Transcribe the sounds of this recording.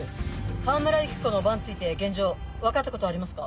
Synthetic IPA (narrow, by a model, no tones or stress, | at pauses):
ɸãmɯ̟ɾaikɯ̥ko̞no̞bãɲ̃t͡sɨit̪e̞ɡẽ̞ɲ̟d͡ʑo̞ːβakat̪ːako̞t̪oaːɾʲimasɨ̥ka